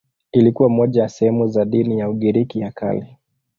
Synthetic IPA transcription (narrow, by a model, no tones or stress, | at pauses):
ilikuwamɔʄajasɛhɛmuzaɗinijauɠiɾikijakʰa̰li